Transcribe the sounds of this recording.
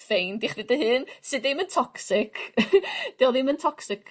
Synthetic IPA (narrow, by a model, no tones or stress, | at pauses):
fejndɪχrɪdəhɨnsɨdeməntʰɔksɪkʰ | d̥iɔlðˠiməntʰɔksɪkʰ